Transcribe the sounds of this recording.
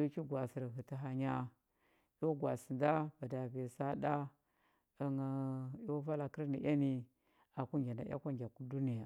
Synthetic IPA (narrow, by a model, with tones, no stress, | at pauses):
u˦ki˦ɡwa˨si˨ɾɦi˨ti˨ɦa˨ɲa˦ | i˦wu˦ɡwa˨si˨nda˦ba˨da˨ve˨sa˦da˦ | ə˨ŋa˨i˦wa˦va˦la˨ki˦ɾni˨ʔa˦ni˦ | a˨ku˦ɡʲa˨na̰˨ja̰˦kʷa˦ŋɡʲa˨ku˦du˦ni˦ja˨